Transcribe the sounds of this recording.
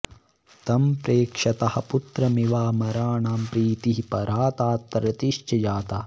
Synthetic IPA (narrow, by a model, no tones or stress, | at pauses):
t̪ɐmpɾeːkʂɐt̪ɐhɐ̆put̪ɾɐmiʋaːmɐɾaːɳaːmpɾiːt̪iɦipɐɾʔaːt̪aːt̪ːɐɾɐt̪iʃt͡ʃɐd͡ʒaːt̪aː